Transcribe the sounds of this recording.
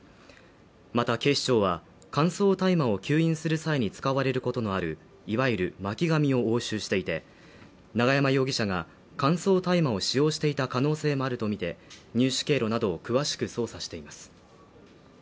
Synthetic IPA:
mat̪ake̞ːɕi̥t͡ɕo̞ːβa | kãɰ̃so̞ːt̪aimao̞kʲɨːĩɰ̃sɨɾɯ̟saiɲ̟it͡sɨ̥kaβaɾe̞ɾɯ̟ko̞t̪o̞no̞aɾɯ̟ | iβaiɾɯ̟makʲiɡamʲio̞oːɕɨːɕi̥t̪e̞it̪e̞ | naɡajamajo̞ːɡʲiɕaɡa | kãɰ̃so̞ːt̪aimao̞ɕijo̞ːɕi̥t̪e̞it̪akano̞ːse̞ːmo̞aɾɯ̟t̪o̞mʲit̪e̞ɲ̟ʲɨːɕi̥ke̞ːɾo̞nad̪o̞ːkɯ̟βaɕi̥kɯ̟so̞ːsaɕi̥t̪e̞imasɨ̥

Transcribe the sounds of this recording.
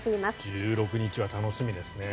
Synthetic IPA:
t̪eimasd͡ʑɨːɾo̞kɯ̟ɲ̟it͡ɕiβat̪ano̞ɕimʲid̪e̞sɨne̞

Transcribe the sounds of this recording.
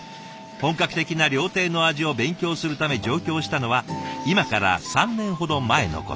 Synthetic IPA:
hõ̞ŋkakɯ̟̥t̪e̞kʲinaɾʲo̞ːt̪e̞ːno̞aʑio̞bẽ̞ŋkʲo̞ːsɨɾɯ̟t̪ame̞d͡ʑo̞ːkʲo̞ːɕi̥t̪ano̞βaimakaɾa̰sãnːẽ̞ɰ̃ɦo̞d̪o̞mae̞no̰ko̞̰

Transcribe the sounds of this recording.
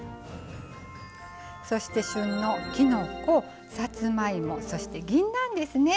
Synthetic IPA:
so̞ɕi̥t̪e̞ɕɨ̃nːokʲino̞ko | sat͡sɨmaimo̞so̞ɕi̥t̪e̞ɡʲĩnːãnd̪e̞sɨne̞

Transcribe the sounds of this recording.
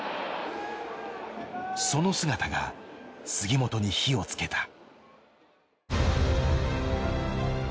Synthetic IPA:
so̞no̞sɨɡat̪aɡa̰sɨɡʲimo̞t̪o̞ɲ̟içio̞t͡sɨ̥ke̞t̪ʰḁ

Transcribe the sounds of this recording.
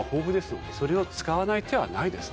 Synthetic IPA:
ho̞ːɸɯ̟d̪e̞sɨjoso̞ɾe̞o̞t͡sɨ̥kaβanait̪ʰe̞βa̰naid̪e̞sɨ̥

